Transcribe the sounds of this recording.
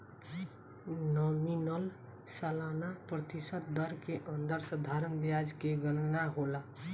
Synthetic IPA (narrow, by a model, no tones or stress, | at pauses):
nɔminəl | səlanapɾət̪isət̪̚d̪əɾkeʔənd̪əɾsəd̪ʱaɾənbjad͡ʒkeɡənnaɦola